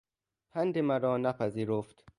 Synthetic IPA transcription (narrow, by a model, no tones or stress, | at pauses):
pʰænd̪emæɾɒːnæpʰæziːɾoft̪